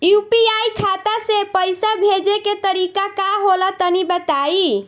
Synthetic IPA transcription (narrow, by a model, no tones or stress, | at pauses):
jupiajkʰat̪asepəjsabʱed͡ʒeket̪əɾikakaɦolat̪ənibət̪ai